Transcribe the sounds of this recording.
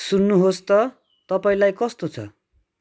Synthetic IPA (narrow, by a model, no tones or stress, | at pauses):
sunːuɦost̪ʌ | t̪ʌpaĩlajkʌst̪ot͡sʰʌ̰